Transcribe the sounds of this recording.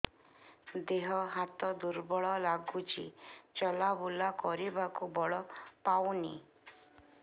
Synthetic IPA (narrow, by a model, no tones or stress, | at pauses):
d̪eɦɔɦat̪ɔd̪uɾbɔɭɔlaɡut͡ʃʰḭt͡ʃɔlabulakɔɾibakubɔɭɔpawnḭ